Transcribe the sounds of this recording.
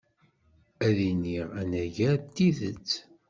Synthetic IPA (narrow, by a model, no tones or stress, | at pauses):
æðiniʁænæʝæt̪ːiðə̰t͡sː